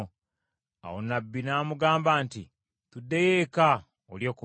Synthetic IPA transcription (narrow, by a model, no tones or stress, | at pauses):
a̰wonabːinaːmuɡaːmbaːnti | tudːejeka | oljo̞ːku